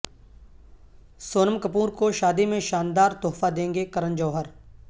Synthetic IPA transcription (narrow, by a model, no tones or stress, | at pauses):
soːnəmkəpuːɾkoʃaːd̪imẽʃaːnd̪aːɾt̪oːfad̪ẽːŋɡekɐɾənd͡ʒəːɦəɾ